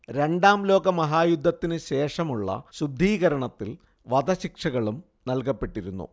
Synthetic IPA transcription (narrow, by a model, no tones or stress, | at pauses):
ɾe̞ɳɖaːmlo̞ːɡɐmɐɦaːjud̪ʱːɐt̪ːinɨɕe̞ːʂɐmuɭːɐ̰ɕud̪ʱːiːɣɐɾɐɳɐt̪ːil | ʋɐd̪ɐɕikʂɐɣɐɭum | nɐlkɐpːe̞ʈːiɾunːṵ